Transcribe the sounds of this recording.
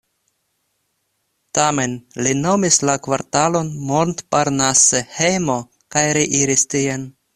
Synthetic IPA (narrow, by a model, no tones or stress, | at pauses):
tame̞nlino̞mislakvaɾtalo̞nmontpaɾnasehejmo̞ | kajɾeʔiɾistien